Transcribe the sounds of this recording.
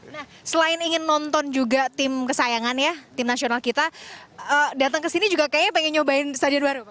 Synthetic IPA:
nah | səlaɪniŋɪnːɔnt̪ɔnd͡ʒuɡat̪ɪmkəsajaŋanjat̪ɪmnasionalkit̪aədat̪əŋkəsinid͡ʒuɡakajaɲapəŋɛɲobaɪnst̪adianbaɾu

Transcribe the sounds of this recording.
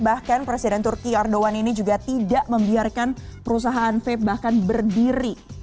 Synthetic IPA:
bahkanpɾesidɛnt̪urkiardowaninid͡ʒuɡat̪idaʔməmbiarkanpəɾus̬aɦaʔːnfɛp̚bahkanbərdiɾi

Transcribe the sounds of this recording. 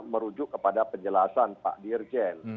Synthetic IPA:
məɾud͡ʒʊkːəpadapəɲd͡ʒəlasanpa̰ʔdird͡ʒɛn

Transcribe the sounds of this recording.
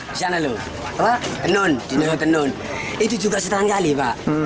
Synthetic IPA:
d͡ʒanalo | awat̪ənondinalot̪ənon | it̪ud͡ʒuɡas̬ət̪aɦankalibaʔ

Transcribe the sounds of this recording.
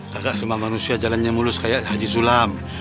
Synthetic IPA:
kaɡaʔsimamanusiad͡ʒalanɲamuluskajaʔhad͡ʒis̬ulam

